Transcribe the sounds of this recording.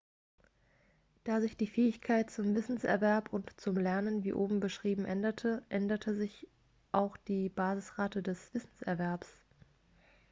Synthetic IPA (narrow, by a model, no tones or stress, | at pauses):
d̥aːzɪçd̥iːfɛːɪçkʰaɪt̚t͡sʊmvɪsn̩sʔɛ̰ɐvɛɐpʊntt͡sʊmlɛɐnənvḭːʔoːbm̩bəʃʁ̥iːbm̩ʔɛndɐtʰəʔɛndɐtʰəzɪç | ʔaʊxd̥iːbaːzɪsʁaːtədɛsv̥ɪsn̩sʔɛ̰ɐvɛɐps